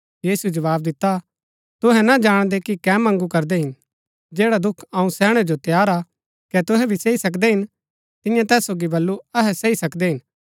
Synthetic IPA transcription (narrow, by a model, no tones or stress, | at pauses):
jiːsud͡ʒɐʋaːbd̪ɪt̪ːa | t̪ʊɦɛ̃nad͡ʒaːɽ̃d̪ekikɛːmɐ̃ŋɡukɐɾd̪eɦɪn | d͡ʒeːɽad̪ʊkʰɐũsɛːɽ̃ɛd͡ʒot̪jaːɾa | kɛt̪ʊɦɛbʱiseːisɐk̬d̪eɦɪn | t̪ɪ̃jãt̪ɛːsːoːɡibɐlːuɐɦɛseisɐkd̪eɦɪn